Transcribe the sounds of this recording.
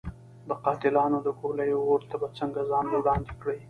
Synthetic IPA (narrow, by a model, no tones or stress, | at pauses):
d̪əqɑt̪ɪlɑnod̪əɡolajowoɾt̪abat͡səŋɡazɑnləwɽɑnd̪ekɽəj